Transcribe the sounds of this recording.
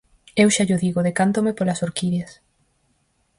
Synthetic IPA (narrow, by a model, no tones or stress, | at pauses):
ewʃaʎʊðiɣʊðekant̪omepolasoɾkiðas